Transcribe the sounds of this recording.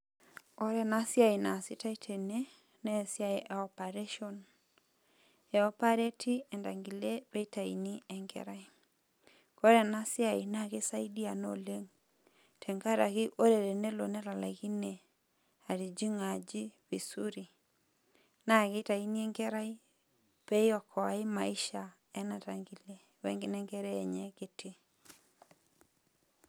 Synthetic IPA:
ɔ˦ɾɛ˨na˦sja˦i˨na˨sɪ˦ta˦i˦tʰe˨ne˦ | nɛ˦˨sɪ˦a˦i˨ʔa˨ɔ˨pa˨ɾe˦ʃɔ˦n | ɛ˨ɔ˦pa˦ɾe˦tʰi˦ɛ˨nda˨ŋɡi˨le˦ɾe˦ta˨ḭ˨ni˦ɛ˨ŋɡɛ̰ɾa˦i˦ | kɔ˦ɾɛ˨na˦sja˦˨i˨na˦ɣɪ˦sa˦i˦di˦a˨no̰˦le˦ŋ | tʰɛ˨ŋɡa˦ɾa˨ɣɪ˦ʔo˦ɾe˨ɾe˨ne˦lo˨nɛ˦la˨la̰˨ɣi˦ne˨ | a˨ɾi˨d͡ʒi˦ŋa˨d͡ʒi˦bi˨su˦ɾi˨ | na˦˨kɪ˦ta˨i˦ni˦ɛ˦ŋɡɛ˦ɾa˦i˦ | pe˦jɔ˨kʰɔ˨a˨ɪ˦ma˨i˦ʃa˨ | ɛ˦na˨ta˨ŋɡi˨le˦ | wɛ̰˦ŋɡɪ˦nɛ˦ŋɡɛ˦ɾɛː˦˨ɲɛ˦kɪ˦tʰe˦

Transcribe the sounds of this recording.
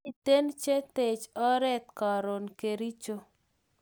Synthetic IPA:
i˨t̪e˦nt͡ʃe˦t̪e˨t͡ʃɔ˦ɾɛ˦t̪ka˨ɾo˨nke˨ɾi˦t͡ʃo˦

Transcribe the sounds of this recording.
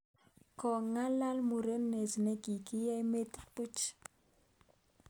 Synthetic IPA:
kɔ˨ŋa˦la˦lmu˨ɾe˦nne˨sne˦ɡi˨ki˦ja˦i˦me˦t̪i˦pu˦t͡ʃ

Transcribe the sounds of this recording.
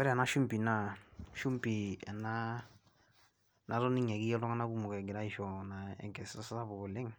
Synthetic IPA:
wɛ˦ɾa˨na˦ʃu˦mpi˨na˦ʃu˦mpi˨ɛ̰˨na˦ | na˦ɾɔ˦ni˦ɲɛ˨ki˦ɛ˦lɔ˦ŋa˦na˦ku˦mʊ˨kɛ˨ɡɪ˨ɾa˦i˦ʃɔ˨na˨ɛ̰˨ŋkɛ˨sa˦sa˦sa˦bɔ˨ɡɔ˨lɪ˦ŋ

